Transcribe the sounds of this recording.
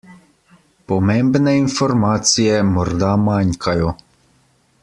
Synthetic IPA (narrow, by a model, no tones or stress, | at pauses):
pɔmembnɛinfɔɾmaːt̪sijɛmɔɾd̪amaŋkʰajɔ